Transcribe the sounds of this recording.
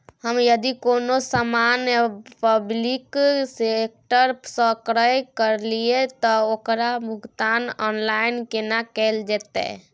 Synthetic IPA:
həmjəd̪ikonosamanpəbliksek̚ʈəɾsəkɾəjkəɾliet̪ɔokɾamukt̪anɔnlainkenakɛld͡ʒɛt̪ɛ̰

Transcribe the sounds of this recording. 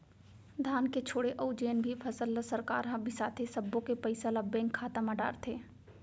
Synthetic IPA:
d̪ʱaːnket͡ʃʰoːɽeʔoʊd͡ʒeːnbʱipʰɐsəlːəsɐɾka̰ːɾɦɐ̃bʱisaːt̪ʰesɐbːõkepɐɪsalabɛ̃ːŋkʰːaːt̪amãɖa̰ːɾt̪ʰeː

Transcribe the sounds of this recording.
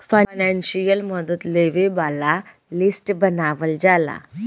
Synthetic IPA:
fanãnɕijəlməd̪ət̪leʋebala | lisʈbənaʋəld͡zala̰

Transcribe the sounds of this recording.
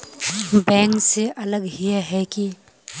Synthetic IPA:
bɛ̃ːŋkseʔɐləɡɦiaɦɛki

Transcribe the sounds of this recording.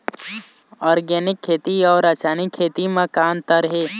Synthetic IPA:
ɔːɾɡɛːnɪkʰːeːt̪iɔːɾɐt͡ʃaːnikʰːeːt̪imə̃kaːnt̪əɾɦeː

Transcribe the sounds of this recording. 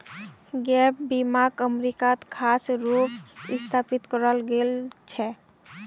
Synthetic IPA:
ɡɛp̚bimaɡəmɾikat̪kʰaːsɾupɪ̰st̪ʰapit̪kəɾəlɡelt͡ʃʰɛ

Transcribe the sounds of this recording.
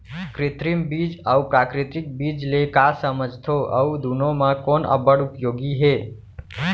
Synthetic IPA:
kɾɪt̪ɾimbid͡ʒəupɾakɾɪt̪ɾɪk̚bid͡ʒlekasəməd͡ʒt̪ʰoʔə̰ud̪ʱunomãkɔnʔə̰bəɽupjoːɡiɦe

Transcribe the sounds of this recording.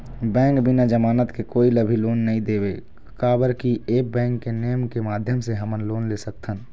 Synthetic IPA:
bɛ̃ːŋkbɪnad͡ʒəmaːnət̪kekoːiləbʱiloːnːɐɦĩd̪eːbe | kaːbəɾkieːk̚bɛ̃ːŋkːenejəmkemaːd̪ʱjəmseɦəmənloːnleːsək̚t̪ʰən

